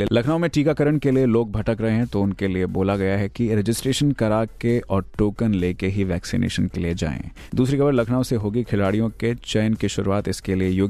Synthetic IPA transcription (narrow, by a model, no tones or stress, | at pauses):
lɐkʰnaːomẽʈiːkakɐɾəɳkelieloːɡ̚bʱɐʈəkɾɐɦẽɦɛ̃t̪oʊnkelieboːlaɡɐjaɦɛkiɾɛd͡ʒɪsʈɾeːʃənkɐɾaːkeʔɔːɾʈoːkənleːkeɦiʋɛːksḭnḛːʃənkeled͡ʒa̰ːḛ̃ː | d̪uːsɾixʰɐbəɾlɐkʰnaːʋseɦoːɡikʰɪlaːɽijõket͡ʃɛːnkiʃʊɾuaːt̪ɪskeliejoːɡ